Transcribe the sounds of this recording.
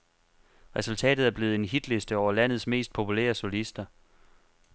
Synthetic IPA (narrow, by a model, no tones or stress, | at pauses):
ʁɛsult͡sʰɛ̰ːd̥ð̩ˠæɐb̥le̝ːð̩ˠe̝nɦid̥le̝sd̥əɒʊ̰ɐlæn̰ð̞̩ˠsme̝̰ːsd̥̚pʰo̝pʰulæ̰ːɐsolisd̥ɐ